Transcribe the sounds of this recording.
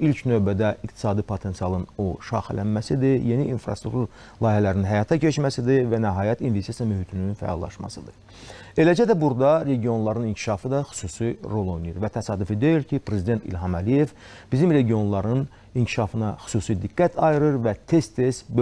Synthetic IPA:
ilcnøvbæd̪æikt̪ʰi̥sɑːd̪ipʰot̪ʰe̞nsijɑlˠɯnoʃɑ̰xælænmæsid̪ije̞niʔːnfɾɑ̰st̪ɾukt̪uɾ | lˠɑːjhælæɾininɦæjɑːt̪ʰɑcʰet͡ʃmæsid̪ivænæɦɑːjæt̪invest̪it̪sijɑmyɦyt̪ʰynynfæ̰ɑ̰lˠːɑ̰ʃmɑ̰sɯd̪ɯ | e̞læd͡ʒæd̪æbuɾd̪ɑɾe̞ɟio̞nlˠɑɾɯnincʰi̥ʃɑfɯd̪ɑxy̥suːsiɾo̞lˠo̞jnɯjuɾvæt̪ʰæsɑːd̪ufid̪e̞jiɾcʰipɾe̞zid̪ent̪ʰḭlɦɑmælije̞v | b̥izimɾe̞ɟio̞nlˠɑɾɯn | incʰiʃɑfɯnɑxy̥suːsid̪iɡːæt̪ʰɑjɯɾɯɾvæt̪ʰe̞st̪ʰe̞st̪bø

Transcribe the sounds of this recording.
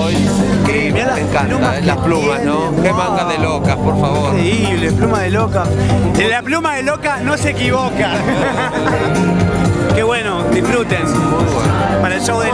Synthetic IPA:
jkemjalaeŋkalumalasplumasno | kemaŋɡaðelokapoɾfaβoɾeileplumaðelokaelaplumaðelokanosekiβoka | keβwenoðifɾut̪ensupokmaɾaʃowðe

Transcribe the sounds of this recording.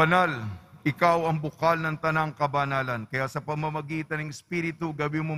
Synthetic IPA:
ɐnalʔɪkawɐŋbʊkalnɐŋt̪ɐnaŋkɐbɐnaːlɐnkɐjasɐpɐɡmɐmɐɡiːt̪ɐnɐŋɛspiɾɪt̪uɡɐbimo

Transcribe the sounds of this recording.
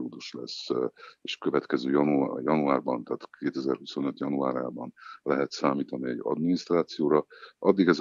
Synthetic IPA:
ud̪uʃlɛ̰seːʃkøvɛt̪kɛzøːjujɒnuaːrbɒnt̪aːt̪keːt̪ɛzɛrhuso̞nø̞t̪jɒnuaːɾjaːbɒnlɛɦɛt̪saːmiːt̪ɒniɛɟɒ̰d̪minist̪raːt̪sijoːɾɒʔɒd̪ːiɡɛz

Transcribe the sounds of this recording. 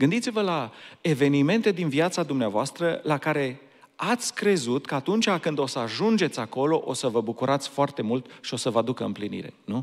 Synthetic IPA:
ɡɨnd̪it̪sivəlae̞ve̞nime̞nt̪e̞d̪inviat̪sad̪umneavoast̪ɾəlakaɾe̞ | at̪sʲkɾe̞zut̪kəat̪unt͡ʃakɨnd̪o̞səaʒund͡ʒe̞t̪sʲako̞lo̞ʔo̰səvəbukuɾat̪sʲfoart̪e̞mult̪ʃio̞səvəad̪ukəɨ̰mplinḭɾe̞̰nu

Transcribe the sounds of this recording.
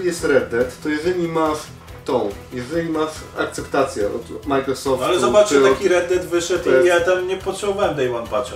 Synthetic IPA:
ijɛst̪ɾɛd̪ːɛt̪ːɔjɛʐɛlʲimaʂ | t̪ɔ̃w̃jɛʐɛlʲimaʂak̚t̪sɛpt̪at̪sʲjɛɔt̪majkɾɔsɔfalɛzɔbat͡ʂɨakʲiɾɛd̪ːɛt̪vɘʂɛt̪jat̪amɲɛpɔt̪ʂɛbɔvawɛmd̪ɛjmɔnpaɛ

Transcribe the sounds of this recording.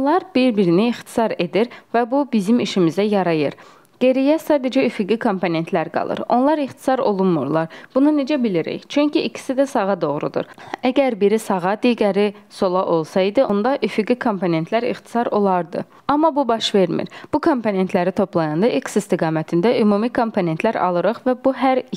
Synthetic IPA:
olˠɑɾbiɾbiɾiniːxt̪ʰi̥sɑɾe̞d̪iɾvæbubizimiʃimizæjɑɾɑjɯɾ | ɡ̥e̞ɾijæsɑːd̪ed͡ʒæyfyɡikʰo̞mpone̞nt̪ʰlæɾɡɑ̰lˠɯ̰ɾo̞̰nlˠɑɾiχt̪ʰi̥sɑɾo̞lˠunmṵɾlˠɑɾb̥unune̞d͡ʒæbiliɾḭçt͡ʃʰyɲcʰiːcʰi̥sid̪æsɑɣɑd̪o̞ɣɾṵd̪ṵɾæɟæɾbiɾisɑɣɑd̪iɡæɾiso̞lˠɑʔo̞lˠsɑid̪ɯo̞nd̪ɑʔyfyɡikʰo̞mpʰo̞ne̞nt̪ʰlæɾḭχt̪ʰi̥sɑɾo̞lˠɑɾd̪ɯ̰ | ɑmːɑbubɑʃve̞ɾmḭɾb̥ukʰo̞mpʰo̞ne̞nt̪ʰlæɾit̪ʰo̞plˠɑjɑnd̪ɑʔeksist̪iɡɑːmæt̪ʰind̪æʔymuːmikʰo̞mpʰo̞ne̞nt̪læɾɑ̰lˠɯɾɯχvæbuɦæɾ

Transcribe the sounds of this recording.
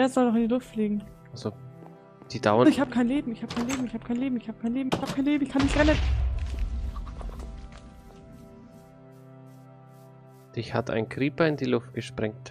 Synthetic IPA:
eːɐzɔlnɔχɪndiːlʊftfliːɡŋ̩ | ʔalzo | d̥iːdaʊəɪçhaːbəkʰaɪnleːbm̩ɪçhaːb̥ə̥kʰaɪnleːbm̩ɪçhaːbə̥kʰaɪnleːbm̩ɪçhaːbəkʰaɪnleːbm̩ɪçhaːbəkʰaɪnleːbm̩ɪçkʰanmɪçtʁɛnən | d̥ɪçha̰tʰa̰ɪnkʁ̥iːpɐɪndiːlʊft̚ɡ̥əʃpʁ̥ɛŋt

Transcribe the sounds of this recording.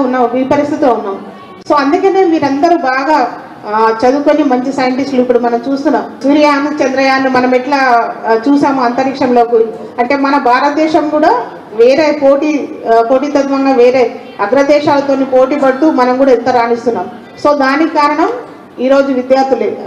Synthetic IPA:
unːaːiːpɐɾist̪ʰit̪iloːunːaːmu | soːɐnd̪ukeneːmiːɾɐnd̪ɐɾubaːɡaː | t͡ʃɐd̪ukonimɐɲt͡ʃisɐjɐɳʈisʈluipːuɽumɐnɐmt͡ʃuːst̪unːaːmsuɾijaːnut͡ʃɛnd̪ɾɐjaːnːimɐnɐmɛʈlaːt͡ʃuːsaːmuɐnt̪ɐɾikʂɐmlo̞ːku | ɐɳʈe̞ːmɐnɐbʱaːɾɐt̪ɐd̪ɛːʃɐmkuːɽaː | ʋeːɾeːpoːʈiːpo̞ːʈiːt̪ɐd̪ʋɐŋɡaːʋeːɾeː | ɐd̪ɾɐd̪ɛːʃaːlɐt̪oːnipo̞ːʈiːpɐɽut̪uːmɐnɐmkuːɽaːint̪ɐɾaːnist̪unːaːmu | so̞ːd̪aːnikkaːɾɐɳɐm | iːɾoːd͡ʒuʋid̪jaːɾt̪ːule

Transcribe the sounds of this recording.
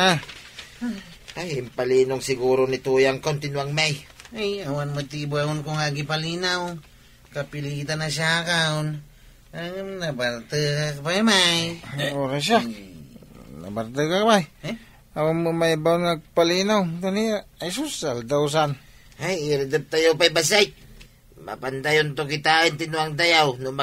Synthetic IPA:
a | ajɪmpalinʊŋsɪɡuɾonit̪ujaŋkont̪ɪnwaŋmajajawanmɨt̪ibaʊnkoŋaɡipalinaw | kapilit̪anasjakaʊn | anabaɾt̪əkakapajmajoɾaʃ̬a | na̰baɾt̪̬əkakapaj | awanməmajbaonaɡ̚palinawt̪aniajs̬ʊsald̪aws̬an | hajiɾd̪əp̚t̪ajawpajbas̬ajk̚ | ma̰pant̪ajʊnt̪okit̪aənt̪inʊaŋt̪̬ajawnʊma

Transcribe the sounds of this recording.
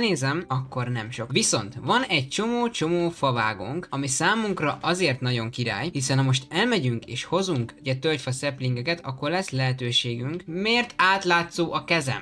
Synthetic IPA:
neːzɛmɒkːo̞rnɛmʃo̞kʋiso̞nt̪ʋɒnɛɟ̚t͡ʃo̞moːt͡ʃo̞moːfɒva̰ːɡṵŋkɒmisaːmuŋkrɒʔɒzeːrt̪nɒɟo̞ŋkiɾa̰ːjhisɛnɒmo̞ʃ̬t̪ɛlmɛɟyŋkeːʃho̞zuŋkuɟɛt̪ølc̪fɒsɛpliŋɡɛkɛt̪ʰɒkːo̞rlɛslɛɦɛt̪øːʃeːɡyŋkmeːrt̪aːt̪laːt̪soːʔɒkɛzɛ̰m

